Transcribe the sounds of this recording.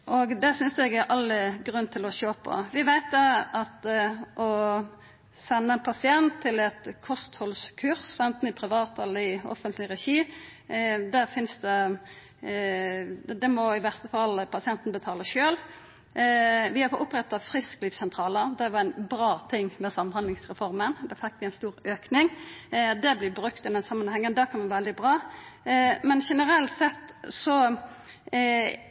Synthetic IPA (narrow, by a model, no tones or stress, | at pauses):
ʔɔɡd̪ɛsʏnsɛɡæɾʔɑlːəɡʁʉnːt̪ʰɪlɔʃoːpʰɔ̰ʋɪʋæɪt̪ʰəɑt̪ʔɔ | sɛnːəɛnpʰɑsɪɛnt̪ʰːɪlɛt̪kʰɔst̪hɔlskʰʉʁsɛnt̪n̩ɪpʰʁɪʋɑːt̪ɛlːəɪɔ̰fənt̪ʰlɪʁɛʃiː | d̪æʁfɪnsd̪ɛ | d̪ɛmɔɪʋæʁst̪əfɑlːpʰɑsɪɛnt̪n̩bət̪ʰɑːləʃøːl | ʋɪhɑfɔʔʊpːʁɛt̪ːɑfʁɪskliːfsɛnt̪ʰʁɑːləʁd̪ɛʋɑɛnbɾɑːt̪ʰɪŋːmɛsɑmhɑnd̪lɪŋsʁɛfɔʁmənd̪ɛfɪkːʋɪɛnst̪uːɾøːknɪŋd̪ɛblɪbɾʉkt̪ɛnɛsɑmːənhɛŋːənd̪ækʰɑnmɑnʋɛld̪ɪbʁɑː | mɛnʃɛnəɾɛlt̪sɛt̪ːsɔ